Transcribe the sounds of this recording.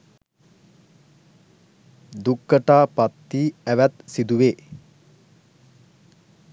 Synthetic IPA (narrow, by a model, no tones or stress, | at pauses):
d̪ukːəʈaːpat̪ːiːæʋæt̪sid̪uʋeː